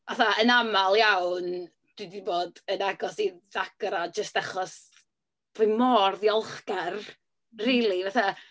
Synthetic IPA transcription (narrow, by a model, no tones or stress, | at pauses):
vaθaənamalˠjawn | d̥wɪdiboːdənaɡɔsiðaɡ̥ɾad͡ʒəstaχɔs | v̥ʊmɔrðjɔlˠχɡɛr | riːlˠivaθa